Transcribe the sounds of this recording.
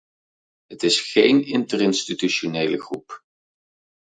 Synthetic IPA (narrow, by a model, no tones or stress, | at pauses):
ɦətɪsχejnɪntərɪnstityʃonejləχrup